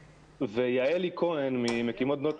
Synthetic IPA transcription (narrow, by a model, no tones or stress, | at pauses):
vejaelikʰo̞enmimekimot̪̚d̪not̪